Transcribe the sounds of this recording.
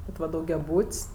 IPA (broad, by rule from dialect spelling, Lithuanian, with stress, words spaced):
ˈʋɐt ʋɐ dɐʊɡʲɛˈbuːtʲsʲ